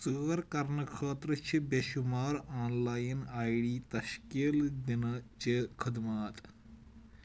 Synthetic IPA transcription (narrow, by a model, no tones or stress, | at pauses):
t͡suɐɾkɐɾnɐkʰaːt̪ɾɐt͡ʃʰibeʃumaːɾaːnlaːjinaːjɽiːt̪ɐʃkeːld̪inɐt͡ʃekʰɐd̪maːt̪